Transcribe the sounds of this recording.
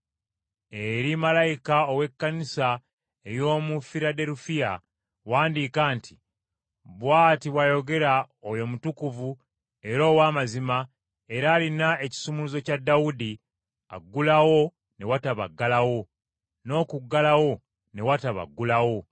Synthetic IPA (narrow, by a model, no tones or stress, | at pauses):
eɾimalajikaowe̞kːanisa | ejo̞ːmufiɾade̞ɾufija | waːndikaːntʰi̥ | bwaːtiβwajo̞ɡe̞ɾa | ojo̞mutukuvu | e̞ɾo̞ːwaːmazima | e̞ɾaːlinae̞ci̥sumuluzo̞cadːawudi | a̰ɡːulawo̞ | ne̞wataβa̰ɡːalawo̞ | no̞ːkuɡːalawo̞ | ne̞wataβa̰ɡːulawo̞